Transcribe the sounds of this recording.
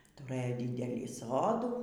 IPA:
tʊˈrɘjoː ˈdʲiːdʲɛlʲiː ˈsoːduː

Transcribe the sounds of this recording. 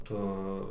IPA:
ˈtʊ

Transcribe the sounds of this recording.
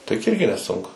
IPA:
tɐɪ jʊk ˈɪrʲɡʲɪ nʲɛˈsʊŋkʊ

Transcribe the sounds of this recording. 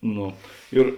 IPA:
ˈnoː ˈɪr

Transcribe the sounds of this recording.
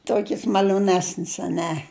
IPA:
ˈtoːkʲɪs mɐlʲoːˈnʲæːsʲnʲɪs ɐˈnʲɛ

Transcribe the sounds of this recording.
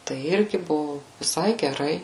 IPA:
tɐɪ ˈɪrʲɡʲɪ ˈbʊʋʊ ʋʲɪˈsɐɪ ɡʲɛˈrɐɪ

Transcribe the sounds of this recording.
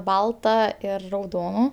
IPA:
ˈbɐlˠtɐ ˈɪr rɐʊˈdoːnʊ

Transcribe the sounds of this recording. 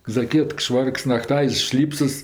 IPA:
zɐˈkʲiɛkt ˈʃʋɐrks nɐˈktɐɪs ˈʃʲlʲiːpsɐs

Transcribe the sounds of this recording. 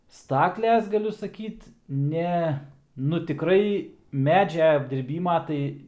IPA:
ˈstɑːklʲɛs ɡɐˈlʲʊ sɐˈkʲiːt ˈnʲɛ nʊ tʲɪˈkrɐɪ ˈmʲæːd͡ʒʲɛ ɐbʲdʲɪrʲˈbʲiːmɐ ˈtɐɪ

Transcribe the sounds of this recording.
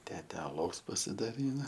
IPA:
ˈtʲæːtʲɛ ɐˈlˠɐʊs pɐsʲɪdɐˈrʲiːnɐ

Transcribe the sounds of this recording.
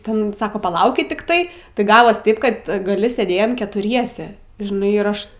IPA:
ˈtʲɛn ˈsɑːkoː pɐˈlˠɐʊkʲɪt tʲɪkˈtɐɪ tɐɪ ˈɡɑːʋoːs ˈtɐɪp kɐt ˈɡɑːlʲɪ sʲeːˈdʲeːjoːm kʲɛtʊˈrʲiɛsʲɛ ʒʲɪˈnɐɪ ɪrˈɐʃ

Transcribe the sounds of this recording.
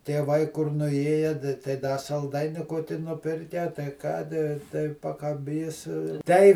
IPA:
tʲiɛˈʋɐɪ kʊr nʊˈeːjɛ tɐɪ ˈdɐ sɐlˠˈdɐɪnʲɪ ˈkoːkʲɪ nʊˈpʲɪrʲkʲɛ tɐɪ ˈkɑːdʲɪ tɐɪ pɐkɐˈbʲiːs tʲɛɪ

